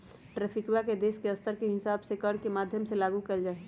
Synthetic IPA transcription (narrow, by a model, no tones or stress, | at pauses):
ʈɾɛːpʰɪkjaked̪eːʃkeɐst̪əɾkeɦɪsaːbsekɐɾkemaːd̪ʱjəmselaːɡukɐld͡ʒaːe